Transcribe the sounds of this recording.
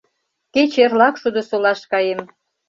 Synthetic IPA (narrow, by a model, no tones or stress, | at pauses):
ket͡ɕerlɑkʃud̪ŏsolɑʃkɑjem